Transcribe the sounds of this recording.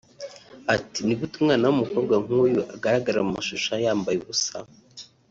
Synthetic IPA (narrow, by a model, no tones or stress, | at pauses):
atiniɡutumŋaːnawumuko̞ːbɡwaŋ̥uːjuʔaɡaɾaɡaɾamumaʃuʃajaːmbajeβusa